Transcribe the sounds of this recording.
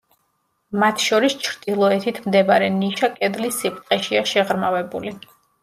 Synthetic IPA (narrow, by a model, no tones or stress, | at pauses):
mat̪ʰʃɔɾist͡ʃʰɾd̪̥ilˠɔɛt̪ʰit̪ʰmd̪ɛbaɾɛniʃakʼɛd̪lisːip̚ʼt̪ʼqʼɛʃiaʃɛʁɾmavɛbuli